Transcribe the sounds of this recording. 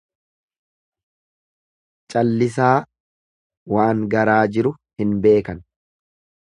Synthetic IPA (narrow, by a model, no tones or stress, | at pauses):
t͡ʃʼɐlːɪs̬aː | waːŋɡɐɾaːd͡ʒɪɾʊ | hɪnbe̞ːkɐn